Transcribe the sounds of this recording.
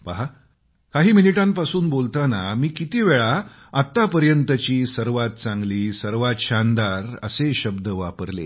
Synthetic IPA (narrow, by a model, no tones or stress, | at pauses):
paɦa | kaɦiːminiʈãmpasuːnbolt̪anamiːkit̪iʋeɭa | at̪ːapəɾjənt̪ət͡ɕiːsəɾʋat̪̚t͡sãŋɡliːsəɾʋat̪ɕand̪aɾə̰seɕəbd̪əʋapəɾlḛ